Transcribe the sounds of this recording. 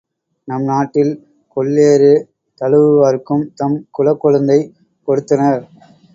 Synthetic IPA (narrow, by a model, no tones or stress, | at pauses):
nɐmnaːʈːɪl | kɔɭːeːɾɯ | t̪ɐɻɯʋɯʋɐɾɯkːɯmt̪ɐmkʊlɐkːɔɻɯnd̪ɐɪ | kɔɽɯt̪ːɐnɐɾ